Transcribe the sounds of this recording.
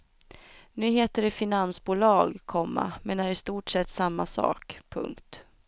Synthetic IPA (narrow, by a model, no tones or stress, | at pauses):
nʉ̟ːɦeːt̪əɖɛfɪnansbuːlɑːɡkʰɔmːa̰mɛnæɾɪst̪uːʈʂɛt̪ːsamːasɑ̰ːkpʰɵ̰ŋkt̪